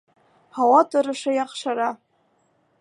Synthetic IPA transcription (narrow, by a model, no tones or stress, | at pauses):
hawatʰʼɨɾɨʂajaχʂaɾa